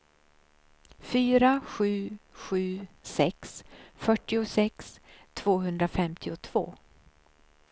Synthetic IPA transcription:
fyːɾaɧʉ̟ːɧʉ̟ːsɛksfœʈːɪʊsɛkst̪ʰv̥oːɦɵnd̪ɾafɛmt̪ʰɪʊt̪ʰv̥o̰ː

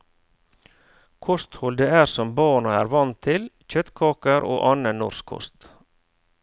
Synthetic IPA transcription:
kʰɔst̪hɔld̪əæːɾsɔmbɑːɳɑæ̰ːɾʋɑnt̪ʰɪlçœt̪kʰɑːkəɾʔo̰ːʔɑnənʊ̰ɾskʰɔ̰st̪

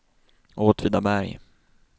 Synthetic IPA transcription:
ʔoːt̪ʰviːd̪abæɾj

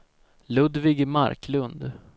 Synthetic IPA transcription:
lɵd̪vɪɡma̰ɾkʰlɵnd̪

